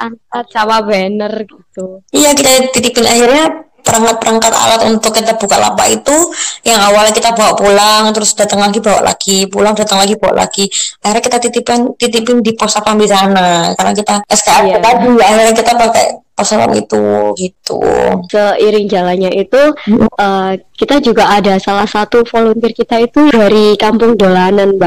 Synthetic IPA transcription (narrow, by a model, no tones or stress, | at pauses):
aŋkat̪̚t͡ʃamabənərɡit̪uijakit̪at̪it̪ipɪnahirɲa | pəɾaŋkat̪̚pəɾaŋkat̪a̰lat̪unt̪ʊkːit̪ab̥ukaʔla̰pa̰it̪ujaŋawalɲakit̪abawaʔpulaŋt̪əɾʊsd̥at̪əŋlaɡibawa̰ʔlʔa̰ɡ̥ipulaŋdat̪əŋlaɡibawa̰ʔlʔa̰ɡ̥iahirɲakit̪at̪it̪ipant̪it̪ipɪndipɔsafanbisanakarənakit̪aəsə̥kaɾait̪aiaiɾakit̪apaka̰jpɔsafa̰nḭt̪ṵɡit̪ṵsəiɾɪŋd͡ʒalanɲait̪uəkit̪ad͡ʒuɡaːdasalahsat̪ufolɔnt̪ɪrkit̪ait̪udaɾikampʊŋdolananba